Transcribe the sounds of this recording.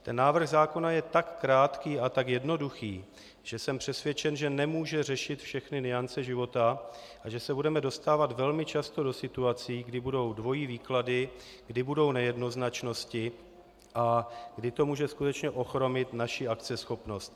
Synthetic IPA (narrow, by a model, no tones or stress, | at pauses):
t̪ɛnːaːvr̩ɣzaːko̞najɛt̪akːɾaːt̪kiːʔat̪akjɛdno̞duxiː | ʒ̥ɛsɛmpr̝̥ɛsvjɛt͡ʃɛnʒɛnɛmuːʒɛr̝ɛʃɪt̪fʃɛxnɪnɪant͡sɛʒɪvo̞t̪a | ʔaʒɛsɛbudɛmɛdo̞st̪aːvat̪vɛlmɪt͡ʃast̪o̞do̞sɪt̪uat͡sɪːɡdɪbudo̞wdvo̞jiːviːkladɪ | ɡ̥dɪbudo̞wnɛjɛdno̞znat͡ʃno̞scɪ | ʔaɡdɪt̪o̞muːʒɛskut̪ɛt͡ʃɲɛʔo̞xɾo̞mɪt̪naʃɪʔakt͡sɛsxo̞pno̞st̪